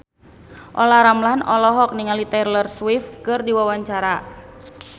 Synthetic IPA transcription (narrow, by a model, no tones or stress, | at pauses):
ʔolaɾamlanɔlɔɦɔk̚niŋalit̪ɛrlərswɪfkɨrdiwawaɲt͡ʃaɾa